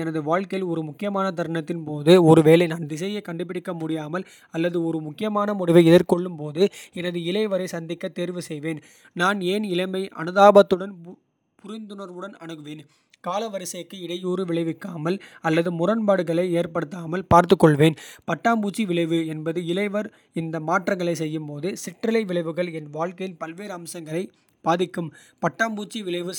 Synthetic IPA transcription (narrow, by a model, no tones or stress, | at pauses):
ɛnɐðɯʋaːɻkɐjɪlɔɾɯmʊkːɪjɐmaːnɐt̪̬ɐɾɳɐt̪ːɪnpoːðɯɔɾɯʋeːlɐɪnaːnd̪ɪsɐjɐkɐɳɖɯp̬ːɪɽɪkːɐmʊɽɪjaːmɐl | ɐlːɐðɯɔɾɯmʊkːɪjɐmaːnɐmʊɽɪʋɐɪɛðɐɾkɔɭːɯmpoːðɯɛnɐðɯɪlɐɪʋɐɾɐɪsɐnd̪ɪkːɐt̪ːeːɾʋɯsɛjʋeːn | naːneːnɪlɐɪmɐɪʔɐ̰nɯðaːbɐt̪ːɯɽɐn | pʊɾɪnd̪ɯnɐɾʋɯɽɐnɐ̰ɳɯɣɯʋeːn | kaːlɐʋɐɾɪsɐjɐkːɯɪɽɐjuːɾɯʋɪɭɐɪʋɪkːaːmɐlɐlːɐðɯmʊrɐnbaːɽɯɣɐɭɐɪeːɾpɐɽɯt̪ːaːmɐlpaːɾt̪̬ɯkːɔɭʋeːnpɐʈːaːmbuːt͡ʃːiʋɪɭɐɪʋɯɛnbɐðɯɪlɐɪʋɐɾ | ɪnd̪ɐmaːʈrɐŋɡɐɭɐɪsɛjːɯmpoːðɯsɪʈɾɐlɐɪʋɪɭɐɪʋɯɣɐɭɛnʋaːɭkɐjɪnpɐlʋeːɾɐmsɐŋɡɐɭɐɪ | b̥aːðɪkːɯm | pɐʈːaːmbuːt͡ʃːiʋɪɭɐɪʋɯ